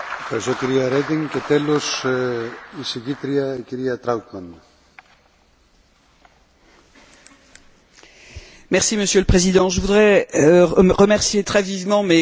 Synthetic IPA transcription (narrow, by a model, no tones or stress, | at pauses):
efxɐɾist̪ociɾiɐɾed̪iŋcet̪elos | isiʝit̪ɾiɐeciɾiɐt̪ɾawt̪mɐn | mɛʁsiməsjøləpχezid̪ɑ̃ʒəvud̪ʁɛ | ʁəmɛʁsjet̪χɛvivmɑ̃mɛ